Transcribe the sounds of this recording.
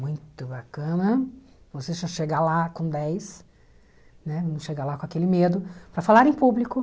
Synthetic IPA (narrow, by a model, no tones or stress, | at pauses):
mũj̃t̪ʊbakɐ̃nɐ | voseʃɐ̃ʃeɡalakõd̪ɛjs | nɛvɐ̃mʊsʃeɡalakõakelɪmed̪ʊpɾɐfalaɾẽpublikʊ